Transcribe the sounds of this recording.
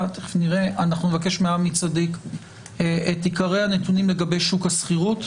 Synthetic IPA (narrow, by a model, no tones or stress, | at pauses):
t̪eniʁeanaχnumevake̞ʃmeamit͡sadik | et̪ikaʁejhanetunimle̞ɡabe̞jʃukhasχiʁut